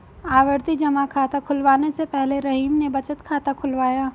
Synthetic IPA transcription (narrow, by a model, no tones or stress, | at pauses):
aːʋəɾt̪id͡ʒɐmakʰaːt̪akʰʊlʋaːnesepɛɦleɾɐɦiːmnebɐt͡ʃət̪kʰaːt̪akʰʊlʋaːjaː